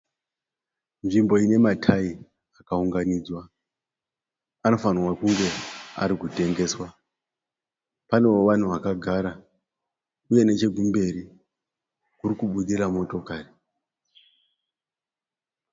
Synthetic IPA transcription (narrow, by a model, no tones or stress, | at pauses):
nʐimbo̞ine̞matʰai | akauŋɡaniːd͡zwa | ano̞fanrwakuŋɡe̞a̰ɾikute̞ŋɡe̞ːswa | pane̞oʋan̤uʋakaɡʱaːɾa | uje̞ne̞t͡ʃe̞ɡumbe̞ɾi | kurikuɓuɗiɾamo̞to̞kaːri